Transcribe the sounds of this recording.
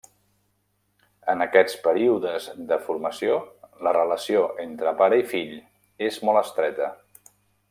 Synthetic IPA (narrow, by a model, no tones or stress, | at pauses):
ənəkɛt͡spəɾiuðəzðəfuɾməsijolərələsioʔent̪ɾəpaɾəifiʎ | ezmɔlˠəst̪ɾɛt̪ə